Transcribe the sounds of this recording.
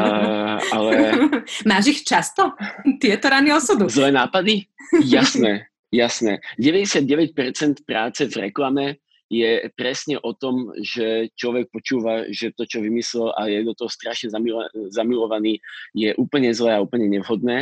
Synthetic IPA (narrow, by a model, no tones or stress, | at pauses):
alɛmaːʒixt͡ʃast̪ɔt̪ɪɛt̪ɔɾaniɔsɔd̪uzlɛːnaːpad̪ijasnɛː | jasnɛːɟɛʋɛɟɛsɪad̪̚ɟɛʋɛc̚pɛɾt͡sɛnt̪pɾaːt͡sɛvɾɛ̰klamɛ | jɛpɾɛsɲɛʔɔt̪ɔmʒɛt͡ʃlɔʋɛk̚pɔt͡ʃuːʋaʒɛt̪ɔt͡ʃɔʋimislɛla̰jɛd̪ɔt̪ɔɦɔst̪ɾaʃɲɛzamizamilɔʋaniːjɛʔuːpl̩ɲɛzlɛːauːpl̩ɲɛɲɛʋɦɔd̪̚nɛː